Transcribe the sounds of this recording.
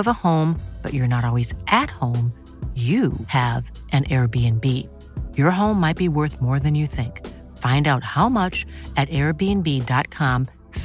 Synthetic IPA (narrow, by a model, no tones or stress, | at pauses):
ʌvəhõʊ̃mb̥ʌ̰t͡ʃə˞nəɾɔlˠwizʔɨt̚hõʊ̃m | jɨɨvʔɨ̃nʔɛɹbiɨ̃nbi | jə˞ɦõʊ̃mːaɪt̚b̥iwɜ˞θmɔɹðɨ̃njɨθɪ̃ŋk | fãɪ̃ndaʊt̚haʊmʌt͡ʃɨɾɛɹbiɨ̃nbidɑt̚kʰɑ̃m | s